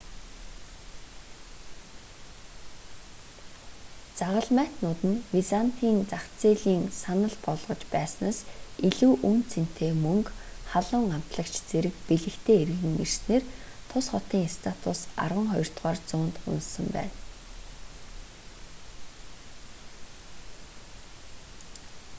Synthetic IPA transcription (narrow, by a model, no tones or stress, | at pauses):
t͡saʁə̆ɮmæːt̪nʊːt̪ɘ̆nwisan̥t̪ʰiːnt͡saχt͡seːɮiːŋsanə̆ɮpɔɮʁɞ̆t͡ɕpæːsnaːsiɮuːʔunt͡sen̥t̪ʰeːmɵŋkχaɮʊːŋam̥t̪ɮə̆kt͡ɕʰt͡seɾɘ̆k̚piɮɘ̆kt̪ʰeːer̆ɣɘ̆ŋir̥t̪neːrt̪ʰʊsχɔt̪iːŋst̪ʰat̪ʰʊsa̰rʁə̆ŋχɔjɞ̆r̥t̪ʁaːrt͡sʊːnt̪ʊ̰nssə̆mpæ̰ːn